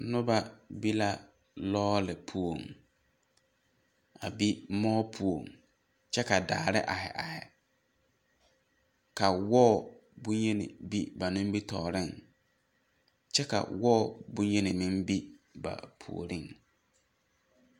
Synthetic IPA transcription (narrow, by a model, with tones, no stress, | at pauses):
nʊ̃˦ba˦bi˦la˦ | lɔː˦lɪ˨pʰu˨o˨ŋ | a˨bi˦mɔː˦pʰu˨o˨ŋ | t͡ʃʰɛ˦ka˨daː˨ɾɪ̰˦ʔa˨hɛ̰˨ʔa˨hɛ˨ | kʰa˨wɔː˦˨bũ˦ɲe˦nɪ̰̃˨bi˦ba˨nʊ̃˦m˦bi˦tʰɔː˨ɾɪ̃˦˨ŋ | t͡ʃɛ˦ka̰˨wɔ˦˨bũ˦ɲ˦e˦nɪ̃˨mɪ̃˦mbi˦ba̰˨pʰṵ˨o̰˨ɾĩ˦ŋ